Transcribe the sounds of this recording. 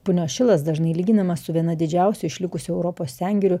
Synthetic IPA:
pʊnʲoːʃʲɪlˠɐsd̪ɐʒnɐɪlʲiːɡʲɪnɐmɐssʊʋʲiɛnɐd̪ʲɪd͡ʒʲæˑʊsʲʊɪʃʲlʲɪkʊsʲʊɛʊɾɔpoːsʲsʲæŋʲɡʲɛɾʲʊ

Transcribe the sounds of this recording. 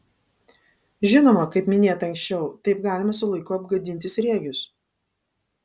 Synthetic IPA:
ʒʲɪnoːmɐkɐɪpmʲɪnʲeːt̪ɐŋksʲt͡ʃʲɛʊt̪ɐɪpɡɑːlʲɪmɐsʊlˠɐɪkʊɐbɡɐd̪ʲɪnʲt̪ʲɪsɾʲeːɡʲʊs

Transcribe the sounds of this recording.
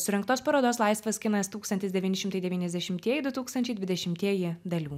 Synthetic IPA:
sʊɾʲɛŋkt̪oːspɐɾoːd̪oːslˠɐɪsʋɐskʲɪnɐst̪uːkst̪ɐnt̪ʲɪsd̪ʲɛʋʲiːnʲɪʃʲɪmt̪ɐɪd̪ʲɛʋʲiːnʲɛzd̪ʲɛʃʲɪmʲt̪ʲiɛjɪd̪ʊt̪uːkst̪ɐnʲt͡ʃʲɛɪd̪ʋʲɪd̪ʲɛʃʲɪmʲt̪ʲiɛjɪd̪ɐlʲuː

